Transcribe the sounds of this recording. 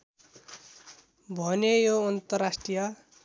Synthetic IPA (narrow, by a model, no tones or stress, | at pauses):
bʱʌnejoʌnt̪ʌrasʈrijʌ